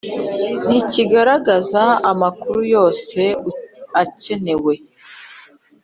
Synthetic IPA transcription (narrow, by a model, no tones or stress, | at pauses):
n̥iciɡaɾaɡazaamakuɾujo̞ːse̞ace̞ne̞we̞